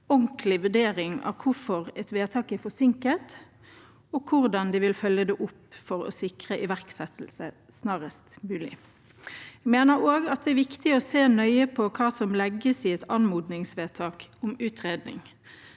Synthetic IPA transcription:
ɔŋklɪʋʉɖeːɾɪŋɑ̰ʋkʰʊɾfɔʁɛt̪ʋeːt̪ʰɑːkɛfɔsɪŋkət̪ | ɔkʰʊʁd̪ɑnd̪ɪʋɪlfœlːəd̪ɛʔʊpːfɔɾɔ̰sɪkʁəʔɪʋæʁksɛt̪l̩sə | snɑːʁəst̪mʉːlɪ̰ | ɛɡmeːnəɾoːɡɑt̪̚d̪ɛæɾʋɪkt̪ɪɔseːnœʏəpʰɔkʰɑːsɔmlɛɡːəsɪɛt̪ʰɑnmuːd̪nɪŋsʋeːt̪ʰɑːkʊmʉːt̪ʁeːd̪nɪ̰ŋ

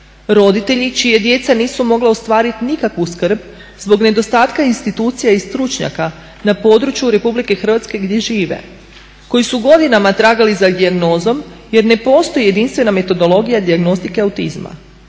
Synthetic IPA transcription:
ɾo̞d̪it̪e̞ʎit͡ʃije̞d̪je̞t̪saniːsumo̞ɡlaost̪ʋaːɾit̪inikakʋuskɾ̩b | zbo̞ɡne̞d̪o̞st̪aːt̪kainst̪it̪uːt̪sijaist̪ɾut͡ʃɲa̰ka | napo̞ːd̪ɾut͡ʃjuɾe̞publike̞xr̩ʋat̪ske̞ɡd̪je̞ʒiːʋḛ | ko̞jisuɡo̞d̪inamat̪ɾaːɡalizad̪iaɡno̞ːzo̞mje̞ɾne̞po̞ːst̪o̞jije̞d̪inst̪ʋe̞name̞t̪o̞d̪o̞lˠo̞ɡijad̪iaɡno̞st̪ikeawt̪izma̰

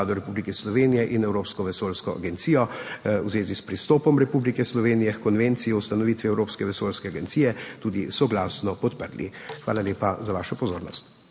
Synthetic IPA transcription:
aːd̪ɔɾɛpublikɛslɔʋenijɛʔinɛwɾoːpskɔʋɛsoːlskɔa̰ɡɛnt̪sijɔwzʋeːzispɾist̪ɔːpɔmɾɛpublikɛslɔʋeːnijɛxkɔnʋent̪sijɔust̪anɔʋiːt̪ʋiɛwɾoːpskɛʋɛsoːlskɛaɡɛnt̪siːjɛt̪uːd̪isɔɡlaːsnɔpɔt̪pəɾlḭxʋa̰ːlalʲjeːpazaʋaːʃɔpɔzoːɾnɔ̰st̪

